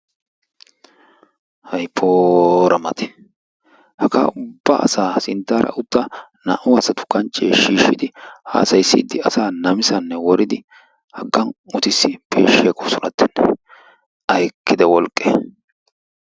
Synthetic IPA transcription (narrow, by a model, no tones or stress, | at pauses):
hɐjpʰoːɾɐmɐt̪ɛ̥ | hɐka̰ːʊbːa̰ːɐ̰saːsɪnt̪ːaːɾɐ̰ʔʊt̪ːɐnɐ̰ʔʊɐsɐt̪ʊ̥kɐnt͡ʃʼːeːʃiːʃːɪd̪ɪha̰ːsɐjsːɪːd̪ːɪɐsaːnɐmɪsɐnːɛwɔɾɪd̪ɪ | hɐɡːɐnʊt̪ɪsːɪpʰḛːʃːɪɐkʼɔsʊnɐt̪ʰːɛnːɛ | ʔɐjkːɪd̪ɛwɔlkʼːḛ